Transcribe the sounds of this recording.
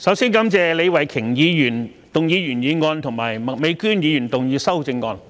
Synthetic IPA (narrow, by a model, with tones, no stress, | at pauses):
sɐ˨˥wsiː˥nkɐ˨˥mt͡sɛː˨˧le˨˧wɐ˨˩jkʰɪ˨˩ŋjiː˨˧jyː˨˩n | t̪ʊ˨ŋjiː˨˧jyː˨˩njiː˨˧ŋɔː˧nt̪ʰʊ˨˩ŋmaː˨˩jmɐ˨me˨˧jkyː˥njiː˨˧jyː˨˩nt̪ʊ˨ŋjiː˨˧sɐ˥wt͡sɪ˧ŋːɔː˧n